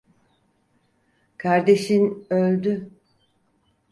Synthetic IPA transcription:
kʰaɾd̪e̞ʃinølʲd̪y

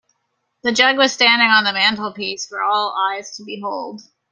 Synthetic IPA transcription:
ðɨd͡ʒʌɡwʌz̥stæ̃ndɪ̃ŋə̃nðəmæ̃ntˡl̩ˠpisfə˞ɔlˠaɪz̥tʰəbiɦoʊlˠd̥

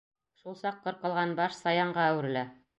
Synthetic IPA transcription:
ʃulˠsɑqːɤ̆ɾqɤ̆lˠʁɑnbɑʃsɑjɑɴɢɑæwɘ̆ɾɘ̆læ

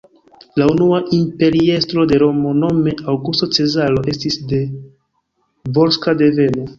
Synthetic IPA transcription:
launuaʔimpe̞ɾie̞stɾo̞de̞ɾo̞mo̞no̞me̞awɡusto̞t͡se̞zalo̞ʔe̞stisde̞ | voɾskade̞ve̞no̞

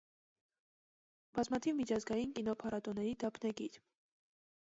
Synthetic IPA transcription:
b̥ɑzmɑt̪ʰivmit͡ʃʰɑzɡɑjinkinɔpʰɑɾɑt̪ɔnɛɾid̪ɑpʰnɛɡiɾ

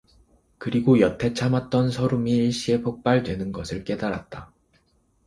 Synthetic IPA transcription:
kɯɾiɡojʌtʰe̞t͡ɕʰamat̚t͈ʌnsʰʌɾumiːɭɕ͈ie̞pʰok̚p͈aɭdwe̞nɯnɡʌsʰɯɭk͈e̞daɾa̰t̚t͈a

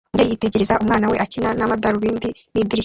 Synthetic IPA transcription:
ɲɟejiːte̞ɟe̞ɾe̞zaʔumŋaːnawe̞ʔacinanamadaɾuβiːndinidiɾi

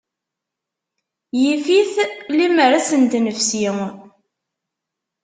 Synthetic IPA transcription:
jifiθliməɾasənt̪nəfsi

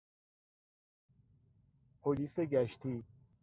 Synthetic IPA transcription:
pʰoliseɡæʃt̪ʰi

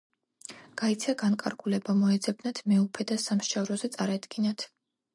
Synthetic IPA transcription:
ɡ̥ait̪sʰaɡaŋkʼa̰ɾɡulɛbamɔɛd̪zɛb̚nat̪ʰmɛupʰɛd̪asamʃavɾɔzɛt̪sʼaɾad̪ɡinat̪ʰ

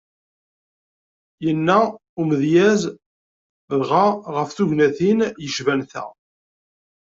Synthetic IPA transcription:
jənːæuməðjæz | ðʁaʁəfθuʝnæθinjəʃvænθæ̰

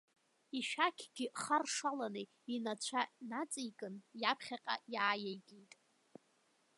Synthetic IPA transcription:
iʃᶣakʲʰɡ̥ʲɪχarʂalanɨ | inat͡ɕʷʰanat͡sʼijkʼɨnjapʰχʲaqʲʼa̰jaːjajɡʲijtʼ

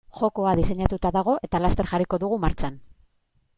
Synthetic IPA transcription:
ʝo̞ko̞aðise̞ɲat̪ut̪aðaɣ̞o̞ʔe̞t̪alast̪e̞ɾxariko̞ðuɣ̞umaɾt͡ʃan

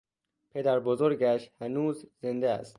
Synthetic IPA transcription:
pʰe̞d̪æɾbozoɾɡæʃhænuːzze̞nd̪eæ̰st̪̚

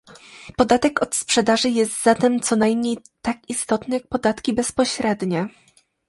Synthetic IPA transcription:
pɔd̪at̪ɛkɔt̪spʂɛd̪aʐɘjɛst̪zat̪ɛmt̪sɔnajmɲej | t̪akist̪ɔt̪nɘjak̚pɔd̪at̪kʲibɛspɔɕɾɛd̪ɲɛ

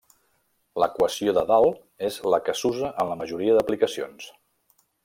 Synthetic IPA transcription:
ləkwəsioðəðalˠ | ezləkəsuzəʔənləməʒuɾiəðəplikəsio̰ns

